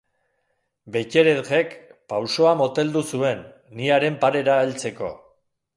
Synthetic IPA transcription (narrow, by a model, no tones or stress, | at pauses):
be̞ce̞ɾeðɣe̞kpawso̞amot̪e̞ld̪usue̞nː | iaɾe̞mpaɾe̞ɾaelt͡se̞ko̞̰